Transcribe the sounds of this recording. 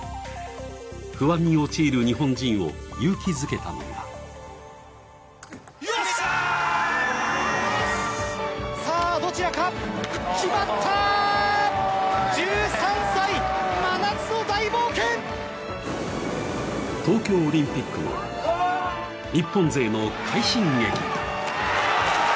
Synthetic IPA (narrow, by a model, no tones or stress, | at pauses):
kɯ̟βaɲ̟ʲːio̞t͡ɕiːɾɯ̟ɲ̟iɦõ̞ɲd͡ʑĩɰ̃o̞̰jɯːkʲizɨke̞t̪a̰no̰a̰ | saːd̪o̞t͡ɕiɾakaɯkʲimat̪ʰːa | d͡ʑɨːsãñsaimanat͡sɨod̪aiboːkẽŋ | t̪o̞ːkʲo̞ːɾʲĩmpʲikːɯma̰ | ɲ̟ʲipːõnd͡ze̞ːno̞kʰaiɕĩŋɡekʲḭ̃